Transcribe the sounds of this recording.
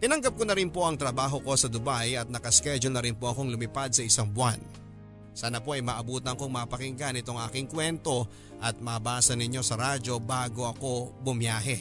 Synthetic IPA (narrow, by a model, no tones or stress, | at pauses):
t̪ɪnɐŋɡɐp̚konɐɾɪnpo̞ʔɐŋt̪ɾɐbaːɦo̞ko̞sɐd̪ʊbajɐt̪̚nɐkɐskɛd͡ʒʊlnɐɾɪnpoʔɐko̞ŋlʊmɪpad̪̚sɐʔɪsaŋbʊwan | saːnɐpo̞ʔɐjmɐʔɐbuːt̪ɐŋkoŋmɐːpɐkɪŋɡanɪt̪o̞ŋʔa̰ːkɪŋkwɛnt̪o̞ | ʔɐt̪̚mɐʔːbaːsɐnɪɲːo̞sɐɾaːd͡ʒo̞baːɡo̞ʔɐko̞bʊmjaːɦɛ